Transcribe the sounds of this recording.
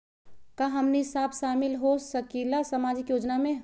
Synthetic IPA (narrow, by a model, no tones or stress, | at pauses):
kaɦɐmnisaːbʃaːmɪlɦosɐkilasamaːd͡ʒɪkjoːd͡ʒnamẽ